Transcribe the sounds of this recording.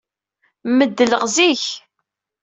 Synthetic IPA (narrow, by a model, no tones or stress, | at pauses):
məd̪ːələʁziç